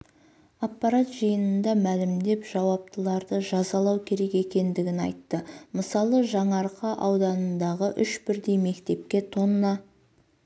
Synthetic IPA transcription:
ɑpːɑɾat̪ʒəjənənd̪ɑmælɪmd̪e̞pʒ̥ɑwɑp̚t̪əlˠɑɾd̪əʒɑzɑlˠɑwkʲʰe̞ɾe̞ke̞kʲe̞nd̪ɪɡʲɪnɑ̰jt̪ːəməsɑlˠəʒɑɴɑɾqʰɑʔɑwd̪ɑnənd̪ɑʁəʔʏʃbɪɾd̪e̞jme̞kt̪e̞p̚kʲe̞t̪ʰo̞nənɑ

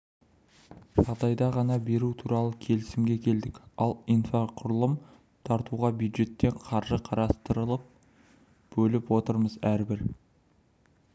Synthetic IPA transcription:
ʒ̥ɑʁd̪ɑjd̪ɑʁɑnɑbe̞ɾut̪ʰuɾɑlˠəkʲʰe̞lɪsɪmɡʲe̞kʲʰe̞ld̪ɪkɑlˠijnfaqʰʊɾlˠəm | t̪ʰɑɾt̪uʁɑbjud̪ʒe̞t̪ːe̞ɴqʰɑɾʒəqʰɑɾɑst̪əɾəlˠəp̚ | b̥ɵlɪpwo̞t̪əɾməzæɾbɪɾ

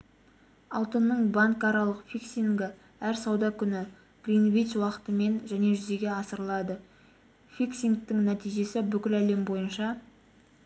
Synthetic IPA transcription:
ɑlˠt̪ənːəɴbaŋkɑɾɑlˠəqfʲiksiŋɡʲɪ | æɾsɑwd̪ɑkʲʰʏnɪ | ɡ̥rinvijt̪swɑqə̥t̪əme̞nʒæne̞ʒʏze̞ɡʲe̞ɑsəɾəlˠɑd̪ə | fʲiksʲiŋk̚t̪ɪŋnæt̪ijʒe̞sɪbʏkʲɪlæle̞mbo̞jənʃɑ

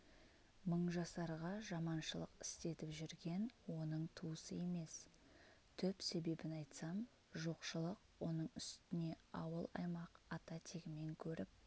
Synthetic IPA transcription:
məɴʒɑsɑɾʁɑʒɑmɑnʃəlˠə̰qɪ̥st̪e̞t̪ɪpʒʏɾɡʲe̞nwo̞nəɴt̪ʰuwəsəje̞me̞s | t̪ʰʏpse̞be̞bɪnɑjt̪sɑm | ʒo̞qʃəlˠəqwo̞nəɴʏst̪ɪne̞ɑwəlˠɑ̰jmɑqɑt̪ɑt̪ʰeɡʲɪme̞ŋkʲʰɵɾʔɪp̚

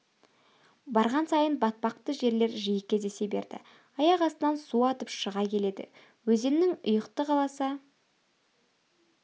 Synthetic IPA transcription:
bɑɾʁɑnsɑjənbɑt̪̚pɑq̚t̪əʒe̞ɾle̞ɾʒijɪkʲːeze̞se̞be̞ɾd̪̥ɪ̰ | ɑjɑqɑst̪ənɑnsuɑt̪əpʃəʁɑkʲʰe̞le̞d̪ɪ̰ | wɵzenːɪŋʊ̰jəqt̪əqʰɑlˠɑsɑ

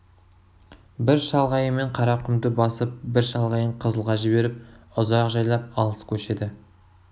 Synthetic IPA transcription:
bɪɾʃɑlˠʁɑjəme̞ɴqʰɑɾɑqʲʰʏmd̪ɪbɑsəp̚bɪɾʃɑlˠʁɑjəɴqʰəzəlˠʁɑʒɪbe̞ɾɪp̚ʊzɑqʒɑjlˠɑp̚ɑlˠəskʲʰɵʃe̞d̪ɪ

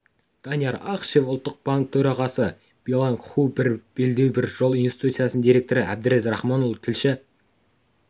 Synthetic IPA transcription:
d̪̥ɑnijaɾɑqʃe̞fʊlˠt̪ːəq̚b̥aŋk̚t̪ʰɵɾɑʁɑsə | b̥ijlˠaŋkχubɪɾb̥e̞ld̪ewbɪɾʒ̥o̞lˠinesi̥t̪ut̪sijasnənd̪iɾe̞kt̪o̞ɾɪʔæb̚d̪ɪɾe̞zɾɑχmonolˠt̪ʰɪlʃɪ

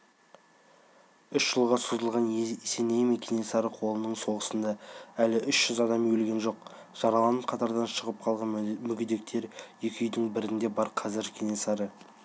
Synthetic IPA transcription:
ʏʃʒ̥əlˠʁɑsuzəlˠʁɑnse̞nejmekʲe̞ne̞sɑɾəqʰo̞lˠənəɴso̞ʁəsənd̪ɑælɪʔʏʃʒ̥ʏzɑd̪ɑmjɵlɡʲe̞nʒo̞q | ʒ̥ɑɾɑlˠɑnəpqʰɑt̪ɑɾd̪ɑnʃəʁəp̚qʰɑlˠʁɑnmʏɡʲɪd̪e̞k̚t̪ʰe̞ɾjekʲʏjd̪ɪŋbɪɾɪnd̪e̞bɑɾqʰɑzɪɾkʲʰenesɑɾə

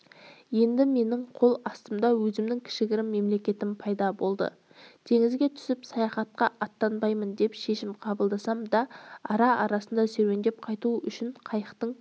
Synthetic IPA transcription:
je̞nd̪ɪme̞nɪɴqʰo̞lˠɑst̪əmd̪ɑwɵzɪmd̪ɪŋkʲʰɪ̥ʃɪɡʲɪɾɪmːe̞mle̞kʲe̞t̪ɪmpʰɑjd̪ɑbo̞lˠd̪ə̰ | t̪ʰe̞ŋɪzɡʲe̞t̪ʰʏ̥sɪpsɑjɑχɑt̪̚qɑʔɑt̪ːɑnbɑjmənd̪e̞pʃe̞ʃɪmqʰɑbəlˠd̪ɑsɑmd̪ɑɑɾɑʔɑɾɑsənd̪ɑsɵɾe̞nd̪ep̚qʰɑjt̪uʔʏʃɪɴqʰɑjəqt̪əɴ

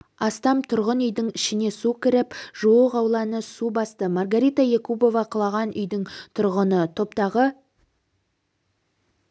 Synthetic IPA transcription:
ɑst̪ɑmt̪ʰʊɾʁənʏjd̪ɪŋɪʃɪne̞sukʲɪɾɪpʒ̥oəqɑwlˠɑnəsubɑst̪əmɑɾɡaɾijt̪aje̞kubo̞vɑqʰəlˠɑʁɑnʔʏ̰jd̪ɪŋt̪ʰʊɾʁənət̪ʰo̞pt̪ɑʁə

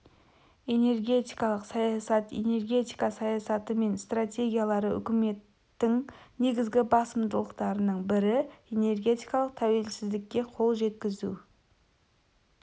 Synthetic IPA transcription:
e̞ne̞rɡʲe̞t̪ijkɑlˠəqsɑjɑsɑt̪e̞̰ne̞rɡʲe̞t̪ijkɑsɑjɑsɑt̪əme̞nst̪rat̪ʲe̞ɡʲijalˠɑɾəʔʏ̰kʲɪme̞t̪ːɪŋne̞ɡʲɪzɡʲɪbɑsəmd̪əlˠəqt̪ɑɾənəɴbɪɾɪe̞ne̞rɡʲe̞t̪ijkɑlˠəq̚t̪ʰæwe̞lsɪzd̪ɪkʲːe̞qʰo̞lˠʒe̞t̪kʲɪzṵ

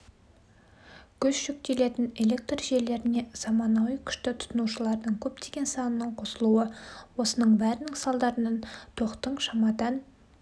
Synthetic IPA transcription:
kʲʰɵzʃʏk̚t̪e̞le̞t̪ɪne̞le̞k̚t̪rʒe̞ɾle̞ɾɪne̞z̥ɑmɑnɑwəjkʲʰʏ̥ʃt̪ɪt̪ʰʊ̥t̪ənuʃəlˠɑɾd̪əɴkʲʰɵpt̪e̞ɡʲe̞nsɑnənəɴqʰo̞səlˠuəwo̞sənəɴbæɾɪnɪŋsɑlˠd̪ɑɾənɑnt̪ʰo̞qt̪əɴʃɑmɑd̪ɑn

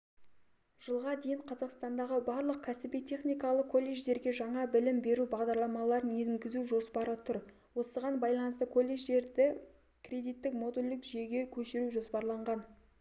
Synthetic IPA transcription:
ʒ̥əlˠʁɑd̪e̞jɪɴqʰɑzɑqst̪ɑnd̪ɑʁəbɑɾlˠəq̚kʲʰæsɪbijt̪ʰe̞χnijkɑlˠəq̚kʰːo̞lʲːe̞ʒd̪e̞ɾɡʲe̞ʒɑɴɑbɪlɪmbe̞ɾubɑʁd̪ɑɾlˠɑmɑlˠɑɾəneŋɡʲɪzuʒo̞spɑɾət̪ʰʊɾ | wo̞səʁɑnbɑjlˠɑnəst̪əkʰo̞lʲːe̞ʒd̪e̞ɾd̪ɪ | kʲrʲe̞d̪ijt̪ːɪk̚mo̞d̪ulʲd̪ɪkʒe̞ɡʲe̞kʲʰɵʃɪɾuʒo̞spɑɾlˠɑɴʁɑn

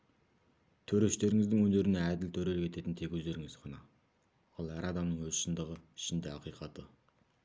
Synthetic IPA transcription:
t̪ʰɵɾe̞ʃt̪e̞ɾɪŋɪzd̪ɪŋwɵnd̪e̞ɾɪneæd̪ɪlt̪ʰɵɾelɪkʲʰe̞t̪e̞t̪ɪnt̪ʰe̞kʲwɵzd̪e̞ɾɪŋɪz̥qʰɑnɑ | ɑlˠæɾɑd̪ɑmnəɴŋwɵzʃɪnd̪əʁəɪ̥ʃɪnd̪e̞ɑqijqɑt̪ə

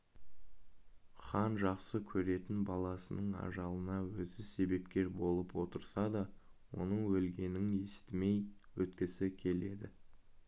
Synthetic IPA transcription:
χɑnʒɑqsəkʲʰɵɾe̞t̪ɪnbɑlˠɑsənəɴɑ̰ʒɑlˠənɑwɵzɪse̞be̞pkʲe̞ɾbo̞lˠəpwo̞t̪əɾsɑd̪ɑwo̞̰nəɴwɵlɡʲe̞nɪŋe̞st̪ɪme̞jwɵt̪kʲɪsɪkʲʰe̞le̞d̪ɪ

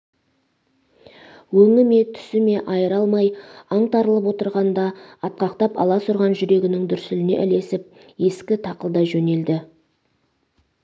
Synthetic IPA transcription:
wɵŋɪme̞t̪ʰʏ̥sɪme̞ʔɑjəɾɑlˠmɑjɑɴt̪ʰɑɾəlˠəp̬wo̞t̪əɾʁɑnd̪ɑːt̪̚qɑqt̪ɑpɑ̰lˠɑsʊɾʁɑnʒʏɾe̞ɡʲɪnɪŋd̪ʏɾsɪlɪne̞̰ʔɪle̞sɪp̚ | je̞skʲɪt̪ʰɑqəlˠd̪ɑʒɵne̞ld̪ɪ

